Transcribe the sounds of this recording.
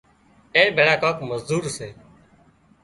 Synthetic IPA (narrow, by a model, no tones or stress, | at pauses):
eːbʱeːɭaːkaːkməzd̪uːɾseː